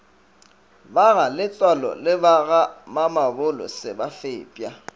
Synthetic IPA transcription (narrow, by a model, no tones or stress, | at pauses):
baɣalɪt͡sʼwalɔ̰lɪbaɣamamabʊlɔ̰sɪbafeːpʼja